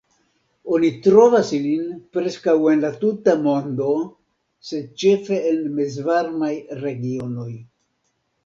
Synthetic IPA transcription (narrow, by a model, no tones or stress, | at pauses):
o̞nitɾo̞vasilinpɾe̞skawe̞nlatutamo̞ndo̞ | se̞d̚t͡ʃe̞fe̞enmezvaɾmajɾe̞ɡio̞no̞j